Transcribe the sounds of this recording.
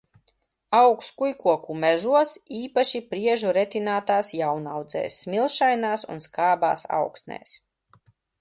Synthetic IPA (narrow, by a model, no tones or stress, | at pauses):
awkskujkuɔkumɛʒuɔsiːpaʃipɾiɛʒuɾɛt̪inaːt̪aːsjawnawd̪zɛ̰ːjsːmilˠʃajnaːsṵnskaːbaːsa̰wksnɛ̰ːs